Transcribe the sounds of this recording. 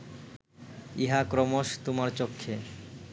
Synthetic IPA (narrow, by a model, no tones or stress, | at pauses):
iɦakɾɔmoʃt̪omaɾt͡ɕokʰːe